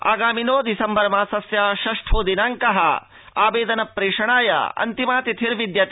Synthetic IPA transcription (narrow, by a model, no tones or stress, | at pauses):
a̰ːɡaːminoːd̪isɐmbɐɾmaːsɐsjaːʃɐʂʈʰoːd̪inaːŋkɐɦɐ | aːbeːd̪ɐnɐpɾeːʂɐɳaːjɐ̰ɐ̰nt̪imaːt̪it̪ʰiɾʋid̪jɐt̪i